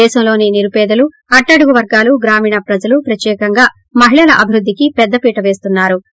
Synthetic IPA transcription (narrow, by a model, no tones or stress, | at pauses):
ɛːʃɐmlo̞ːniniɾupɛːd̪ɐlu | ɐʈːɐɽuɡuʋɐɾɡaːluɡɾaːmiːɳɐpɾɐd͡ʒɐlupɾɐt̪jɛːkɐŋɡaː | mɐɦiɭɐlɐʔɐbʱiɾud̪ʱːikipɛd̪ːɐpiːʈɐʋe̞ːs̬t̪unːaːɾu